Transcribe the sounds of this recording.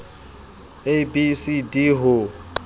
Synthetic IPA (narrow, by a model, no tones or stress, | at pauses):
ebisidiɦʊ